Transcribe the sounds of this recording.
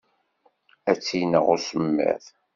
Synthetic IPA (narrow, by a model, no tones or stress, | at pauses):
æt͡sːinə̰ʁʊɾsəmːə̰θ